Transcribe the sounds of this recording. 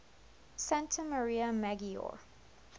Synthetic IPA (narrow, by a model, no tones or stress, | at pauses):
sæ̃ntʰəməɹiəmaɡiɔ̰ɹ